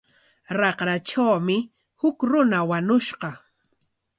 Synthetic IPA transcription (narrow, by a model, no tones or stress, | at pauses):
ɾɑqɾaʈ͡ʂawmɪ | hʊkɾʊnawaɲʊʃɢɑ